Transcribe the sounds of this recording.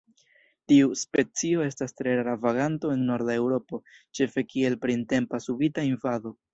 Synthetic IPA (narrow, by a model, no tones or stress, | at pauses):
tiuspe̞t͡sio̞e̞stastɾe̞ɾaɾavaɡanto̞e̞nːo̞ɾdae̞wɾo̞po̞t͡ʃe̞fe̞kie̞lpɾinte̞mpasubitainvaðo̞